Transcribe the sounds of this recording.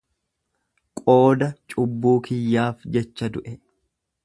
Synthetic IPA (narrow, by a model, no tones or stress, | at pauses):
kʼo̞ːd̪ɐt͡ʃʼʊbːuːkʰɪjːaːfd͡ʒɛt͡ʃːɐd̪ʊʔɛ